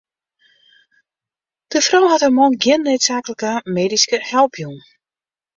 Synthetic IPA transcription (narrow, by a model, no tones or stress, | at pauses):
d̥əfrawhatəmɔnɡjɪnːøɥtsaːkələkəmeːdiskəhɛlˠpʰjun